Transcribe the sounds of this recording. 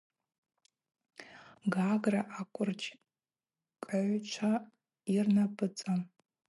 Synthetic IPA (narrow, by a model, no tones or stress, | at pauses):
ɡaɡraʔakʷʼʊrt͡ʃʰ | kʼaʕʷt͡ʃʷʰa | irnapʼɨt͡sʼam